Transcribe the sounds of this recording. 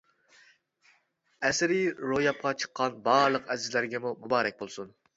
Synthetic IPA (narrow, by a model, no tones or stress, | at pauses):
ɛsɪɾɪɾojɑp̚qʰɑt͡ʃʰə̥qːɑnbɑːɾlˠəqɛzɪzlæɾɡʲɛmumubɑːɾɛk̚ʲbolˠsun